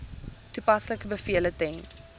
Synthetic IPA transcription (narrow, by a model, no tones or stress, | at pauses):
tupɐsləkəbəfiələtɛŋ